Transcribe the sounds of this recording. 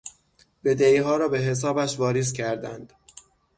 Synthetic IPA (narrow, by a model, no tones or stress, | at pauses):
b̥e̞d̪eiːɦɒːɾɒːbe̞ɦe̞s̬ɒːbæʃvɒːɾiːzcʰæɾd̪ænd̪̥